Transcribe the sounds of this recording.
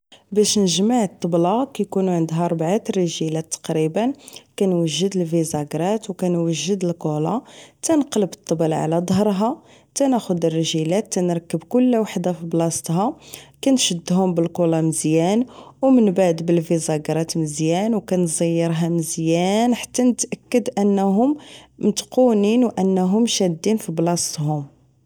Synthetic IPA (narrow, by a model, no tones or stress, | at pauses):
bæʃnəʒmaʕət̪ˤːəblɑkæjkunuʕənd̪ɦæɾˤbʕat̪rəʒilæt̪ːɑ̥qɾibənkænwəʒːəd̪əlvizɑɡɾˤɑt̪wkænwəʒːəd̪əlqulɑt̪ænəqlbət̪ˤːəbəlʕa̰læd̪ˤɦəɾˤɦɑ | t̪ænæxʊd̪ərːəʒilæt̪ːænɾˤkːəbkʊlːwaħd̪afiblɑst̪ɦɑkænʃəd̪ːɦʊmbəlqulɑməzjænwmənbaʕd̪bəlvizɑɡɾˤɑt̪məzjænwkænzˤəjːəɾɦæməzjænħḁt̪ːænət̪ʔækːəd̪ʔənːɦʊmmt̪quninwʔənːɦʊmʃæd̪ːinfiblɑst̪ɦʊm